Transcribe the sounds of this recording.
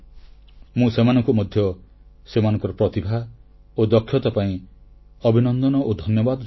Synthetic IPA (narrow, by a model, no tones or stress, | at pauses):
mũsemanɔŋkumɔd̪ʱjɔsemanɔŋkɔɾɔpɾɔt̪ibʱa | od̪ɔkʰːjɔt̪apaĩ | ɔbʱinɔnd̪ɔnɔʔod̪ʱɔnjɔbad̪ɔ